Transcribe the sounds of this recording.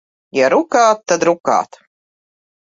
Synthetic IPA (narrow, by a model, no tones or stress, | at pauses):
jaɾukaːt̪ːad̪ɾuka̰ːt̪